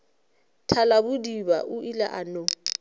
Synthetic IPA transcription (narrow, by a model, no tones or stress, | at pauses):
tʰalabʊdiba̰ʔʊʔila̰ʔano